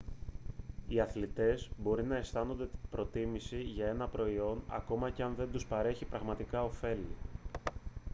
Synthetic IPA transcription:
iɐθlit̪e̞zbo̞ɾinɐe̞st̪ɐno̞nd̪e̞pɾo̞t̪imisiʝɐe̞nɐpɾo̞io̞nɐ̰ko̞mɐceɐnðe̞nd̪uspɐɾe̞çipɾɐɣmɐt̪ikɐo̞fe̞li

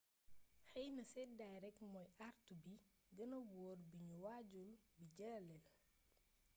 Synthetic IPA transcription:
xɛjnɐsɛdajɾɛkmɔjʔartubi | ɡɐnɐwɔːrbiɲuwaɟulbiɟɐlɛl

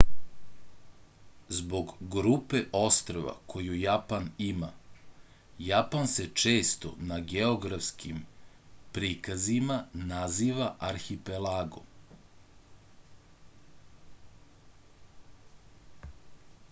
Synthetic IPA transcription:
zbo̞ɡɡɾupeʔo̞st̪ɾoʋa̰kʰo̞jujapanima | japanset͡ʃeːst̪o̰naɡeoɡɾafskʰim | pɾikazimanaziːʋaʔaɾxipelaːɡo̰

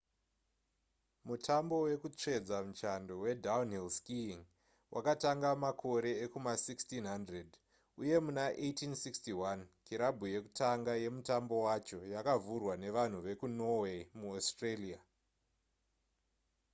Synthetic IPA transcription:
mutʰambo̞we̞kut͡ʂe̞d͡zamut͡ʃando̞we̞dawnilskiŋ | wʔa̰kataŋɡamakʰo̞ɾe̞ːkumasikstinɦandred | uje̞munaʔejtinsikstiwankiɾabʱuje̞ku̥taŋɡaje̞mutambo̞wat͡ʃo̞jakavurwane̞ʋan̤uʋe̞kuno̞we̞muostrelia

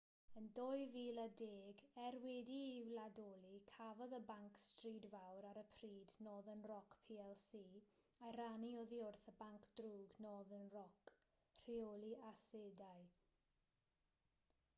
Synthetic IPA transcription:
əndoɨviːladeːɡɛrwɛdiɪwladoːlˠikʰavɔðəbaŋkstriːdvawɾaɾəpʰriːdnoːðənrɔkʰpʰiːɛlˠsiː | aɾanioðiʊrθəbaŋkʰd̥ruːɡnoːðənrɔk | r̥iolˠiʔasedaɨ

